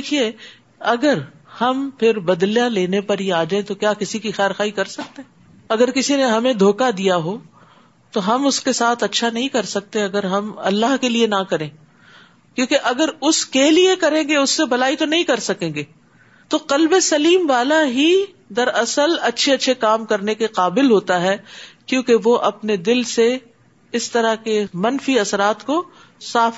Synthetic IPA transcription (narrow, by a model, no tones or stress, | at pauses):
ekʰie | ɐɡəɾ | hɐmpʰɪɾbɐd̪ljaleːnepɐɾɦiaːd͡ʒaːẽt̪okjaːkɪsikixɛːɾxaːikɐɾsɐk̚t̪eɦɛ | ɐɡəɾkɪsineɦɐmẽd̪ʱoːkad̪ijaɦoː | t̪oɦɐmʊskesaːt̪ʰɐtːʃʰanɐɦĩkɐɾsɐk̚t̪eɐɡəɾɦɐmɐ̰lːaɦkelienakɐɾẽː | kjõːkeʔɐɡəɾʊskeliekɐɾẽːɡeʊsːebʱɐlaːit̪onɐɦĩkɐɾsɐkẽːŋɡeː | t̪oqɐlbesɐliːmʋaːlaɦi | d̪ɐɾɐsəlɐtːʃʰeɐtːʃʰekaːmkɐɾnekeqaːbɪlɦoːt̪aɦɛːkjõːkeʋoʔɐpned̪ɪlse | ɪst̪ɐɾakemɐnfiɐsɾaːt̪ko | saːf